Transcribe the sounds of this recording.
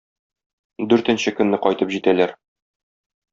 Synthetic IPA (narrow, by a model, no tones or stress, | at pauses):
d̪ʉɾt̪ɘ̆nɕɘkɵ̆nːɘqɒjt̪ɤpʑit̪ælæɾ